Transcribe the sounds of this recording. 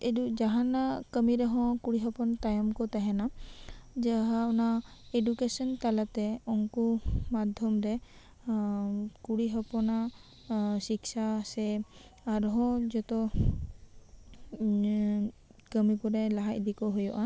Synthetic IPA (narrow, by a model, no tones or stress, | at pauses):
edud͡ʒaɦanakəmiɾɛɦɔ̃kuɽiɦɔpɔnat̪ajɔmkɔt̪aɦɛna | d͡ʒaɦaɔnaedukesɔnt̪alat̪ɛɔŋkumad̪ʱjɔmɾɛ | kuɽiɦɔpɔna | siksasɛː | ɾɦɔ̃d͡ʒɔt̪ɔ | kəmipɔɾɛlaɦac̚d̪ikɔɦojɔʔa